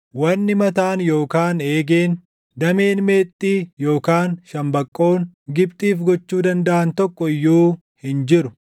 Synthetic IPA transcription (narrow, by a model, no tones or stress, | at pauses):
wɐnːɪmɐt̪aːnjo̞ːkaːne̞ːɡeːn | d̪ɐme̞ːnme̞ːt̪ʼːiːjoːkaːnʃɐmbɐkʼːo̞ːŋɡɪbt̪ʼiːfɡɔt͡ʃːuːd̪ɐnd̪ɐʔɐnt̪ɔkːɔɪjːuː | hɪnd͡ʒɪɾʊ